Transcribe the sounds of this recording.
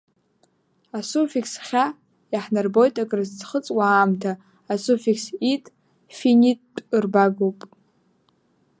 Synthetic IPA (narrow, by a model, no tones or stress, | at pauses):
asufikʰsχʲa | jaħnarbo̞jtʼakʼrɨzt͡sχət͡sʼwaːmtʰaː | sufiksitʼ | finʲitːʼɨrbaɡopʼ